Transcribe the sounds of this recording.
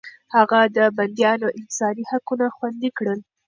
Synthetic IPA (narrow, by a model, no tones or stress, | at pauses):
haɣad̪əband̪jɑnoʔɪnsɑnihakunaxwand̪ikɽəl